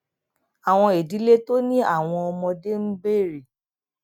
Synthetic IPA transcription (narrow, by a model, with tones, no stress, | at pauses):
a˨w̃ɔ̃˧e˨di˨˦le˦to˦nĩ˦a˦˨w̃ɔ̃˧ɔ˧mɔ̃˧de˦m̩˦ɡ͡be˦˨ɾi˨